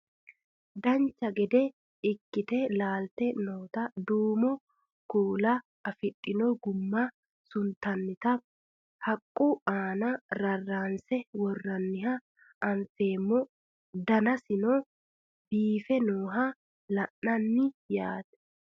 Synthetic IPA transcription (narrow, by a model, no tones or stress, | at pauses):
d̪ɐnt͡ʃːɐɡɛd̪ɛ | ɪkːɪt̪ɛlaːlt̪ɛnoːt̪ɐd̪uːmɔ | kuːlɐ | ɐfɪt̪ʼːɪnoɡʊmːɐ | sʊnt̪ɐnːɪt̪ɐ | hɐkʼːuaːnɐɾɐrːaːnsɛwɔrːɐnːɪhɐ | ɐnfe̞ːmːɔ | d̪ɐnɐsɪno | biːfɛnoːɦa | lɐʔɐnːɪjaːt̪ɛ̥